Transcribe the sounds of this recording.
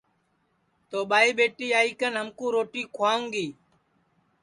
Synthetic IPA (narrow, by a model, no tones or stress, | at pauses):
t̪oːɓaːiːɓeːʈiːaːiːkənɦəmkũːɾoːʈiːkʰʊwaːũːŋɡiː